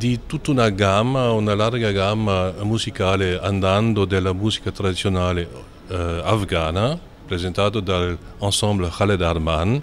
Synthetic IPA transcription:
d̪it̪ut̪unaɡamaunalaɾɡaɡamamuzikaleãnd̪ãnd̪od̪elamuzikat̪ɾad̪isjonale | afɡana | pɾezɛ̃nt̪ad̪od̪ãl | ɑ̃sɑ̃bləʁaled̪aɾman

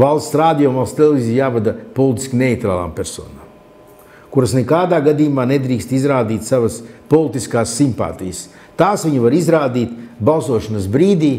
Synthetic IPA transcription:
valˠssɾaːd̪ijɔmvalˠst̪elˠevizijaːvad̪ɐpɔlˠit̪i̥skʲineit̪ɾa̰ːlˠa̰ːmpeɾso̰ːna̰ːm | kuɾɐsnekaːd̪aːɡad̪ijumaːned̪ɾiːkst̪izɾaːd̪iːt̪savɐspɔlˠit̪iskaːsːimpa̰ːt̪ḭjəs | t̪aːsʋiɲuvaɾizɾaːd̪iːt̪balˠsuɔʃɐnɐs̬bɾiːd̪iː

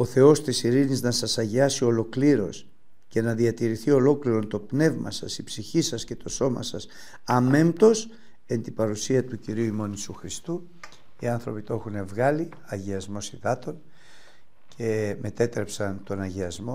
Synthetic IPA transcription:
o̞θe̞o̞st̪isiɾiniznɐsɐsɐʝiɐsio̞lo̞kliɾo̞̰s | ce̞nɐðiɐt̪iɾiθio̞lo̞kliɾo̞nt̪o̞pne̞vmɐ̰sɐsipsiçisɐsce̞t̪o̞so̞mɐ̰sɐs | ɐme̞mt̪o̞s | e̞nt̪ipɐɾusiɐt̪uciɾiuimo̞nisuxɾist̪u | iɐnθɾo̞pit̪oe̞xune̞vɣɐli | ɐʝiɐzmo̞siðɐt̪o̞n | cʰe̞me̞t̪e̞t̪ɾe̞psɐnt̪o̞nɐʝiɐzmo̞

